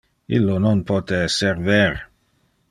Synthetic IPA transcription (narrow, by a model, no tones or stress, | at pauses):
ḭlːononpoːt̪eserveɾ